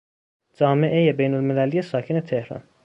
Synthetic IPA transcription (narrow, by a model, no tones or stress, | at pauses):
d͡ʒɒːme̞ʔe̞jebejnolmelælijesɒːcʰene̞t̪ʰehɾɒ̰n